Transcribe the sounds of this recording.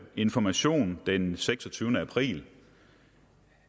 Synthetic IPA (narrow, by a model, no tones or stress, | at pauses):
e̝nfɒmæɕo̝̰ːnd̥enseɡ̥sɒt͡sʰyːʊnəæpʰʁḭːl